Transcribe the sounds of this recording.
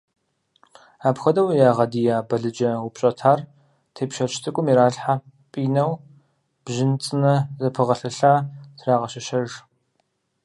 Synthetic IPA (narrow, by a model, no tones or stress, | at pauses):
aːpxɐdɐwjaːʁɐdijaːbɐɮɨd͡ʒɐwʊpɕʼɐtʰaːr | tʰeːpʃɐʃtʰɨkʷʼʊmiɾaːɬħa | pʼiːnɐw | b̥ʒɪnt͡sʼɨnɐzɐpʰɨʁɐɬɐɬaːtʰraːʁɐɕɐʃɐʒ